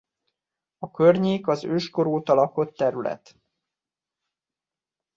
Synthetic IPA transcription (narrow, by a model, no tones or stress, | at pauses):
ɒkørɲeːkɒzøːʃko̞ɾoːt̪ɒlɒko̞t̪ːɛɾylɛ̰t̪